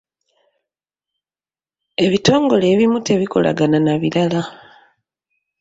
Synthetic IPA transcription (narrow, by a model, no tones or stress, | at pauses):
e̞βito̞ːŋɡo̞le̞ːβimute̞βiko̞̰lʔa̰ɡananaβiɾala